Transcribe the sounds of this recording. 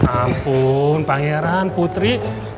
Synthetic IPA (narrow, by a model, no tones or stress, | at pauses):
ampunpaŋeɾanput̪ɾi